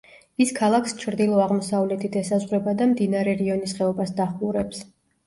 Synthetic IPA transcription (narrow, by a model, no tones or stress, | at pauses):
iskʰalˠakʰst͡ʃʰɾd̪ilˠɔaʁmɔsavlɛt̪ʰid̪ʰɛsazʁɾɛbad̪amd̪inaɾɛɾiɔnisχɛɔbasd̪aχlˠuɾɛps